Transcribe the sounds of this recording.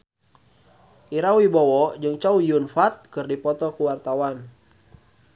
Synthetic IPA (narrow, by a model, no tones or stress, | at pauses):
ʔiɾawibɔwɔd͡ʒɨŋt͡ʃaujunfat̪̚kɨrdipɔt̪ɔkuwart̪awan